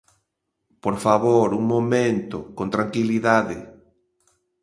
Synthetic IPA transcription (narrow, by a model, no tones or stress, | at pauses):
poɾfaβoɾuŋmomẽnt̪okont̪ɾaŋkiliðaðɪ̰